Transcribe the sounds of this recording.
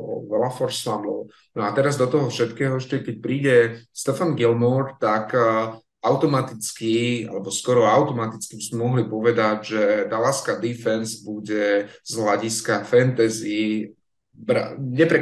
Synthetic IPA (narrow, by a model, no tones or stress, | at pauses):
ʋɛlafɔɾsfamll | nɔat̪ɛɾazd̪ɔt̪ɔɦɔfʃɛt̪kɛːɦɔɛʃcɛkɛc̚pɾiːɟɛst̪ɛfanɡilmɔɾt̪ak | aʊt̪ɔmat̪it͡skia̰lɛbɔskɔɾɔaʊt̪ɔmat̪it͡skibizmɛmɔɦlipɔʋɛd̪aɟʒɛd̪alaskad̪ifɛnzbuɟɛz̥ɦlaɟiskafɛnt̪ɛzi | ba̰ɲɛpɾɛ